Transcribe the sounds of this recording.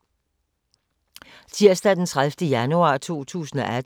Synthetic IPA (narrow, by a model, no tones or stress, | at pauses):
t͡sʰiɐ̰sd̥æd̥ent͡sʰʁaðfd̥əjænuɑ̰̈ːt͡sʰo̝̰ːt͡sʰṵːsn̩ɒʔæd̥